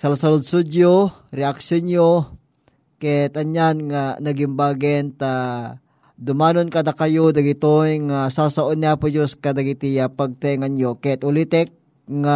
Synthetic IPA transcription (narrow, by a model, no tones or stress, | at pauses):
salasalʊd̪̚sud͡ʒjo | ɾɛʔaksonjo | kɛt̪ɐɲjanŋanɐɡɪmbaɡɛnt̪a | d̪ʊmaːnonkad̪akajod̪ɐɡɪt̪ojŋasasaʔonniapʊd͡ʒoskad̪aɡit̪ijapaɡ̚t̪ɛŋanjokɛt̪ʊlit̪ɛk̚ | ŋa